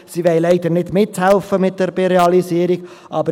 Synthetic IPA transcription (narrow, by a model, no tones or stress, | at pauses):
siʋɛɪlɛɪd̥̪əɾnɪdmɪthɛlfəmɪt̚d̥ɛɾbeɾeɑlisiːəɾiɡ̥ | ʔɑbə